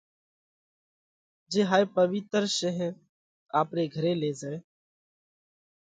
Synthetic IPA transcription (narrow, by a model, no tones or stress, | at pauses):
d͡ʒeːɦaːepəʋɪt̪əɾʃəɦ | aːpɾeːɡʱəɾeːleːd͡ʒaːeː